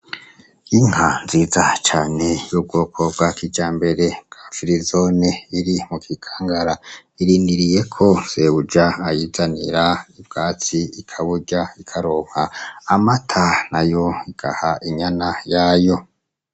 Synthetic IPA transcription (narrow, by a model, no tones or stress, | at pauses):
iŋ̥hanziːzat͡ʃaːne̞jub̚ɡo̞ːkʰob̚ɡwakid͡ʒaːmbe̞ɾe̞b̚ɡ̥ḁfiɾizoneiɾimukʰikʰḁːŋɡaɾaiɾiːndiɾije̞kʰo̞zeβud͡ʒaajizaniɾaib̚ɡ̥aːt͡siikʰaβuɟaikʰaɾoːŋ̥haːmatʰanajo̞iɡ̥a̰haʔiɲanajaːjo̞